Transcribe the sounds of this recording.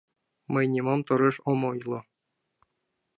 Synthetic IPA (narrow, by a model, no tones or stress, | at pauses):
mɤ̆jnʲimɑmt̪ɤ̆ɾeʂomɤjlˠɤ̆